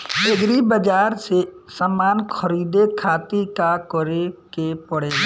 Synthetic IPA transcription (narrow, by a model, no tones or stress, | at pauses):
eɡɾibəd͡ʒaːɾse | səmaːnkʰəɾiːd̪ekʰaːt̪ikakɔɾekepəɽeː